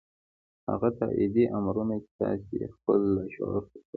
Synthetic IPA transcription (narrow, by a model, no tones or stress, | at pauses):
ha̰ɣat̪a̰ʔid̪iʔamɾunat͡ʃe̥t̪ɑsexpəlːaʃoɾkəka